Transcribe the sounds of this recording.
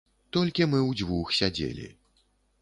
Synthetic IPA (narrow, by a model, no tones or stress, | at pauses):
t̪ɔlʲkʲimɨwd͡zʲvuxsʲad͡zʲḛlʲḭ